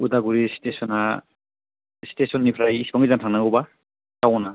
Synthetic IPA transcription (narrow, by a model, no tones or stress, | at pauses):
udaɡuɹistesɔna | stesɔnːipʰɾajisi̥bɔŋizantʰaŋnaɡɔba | kawɔna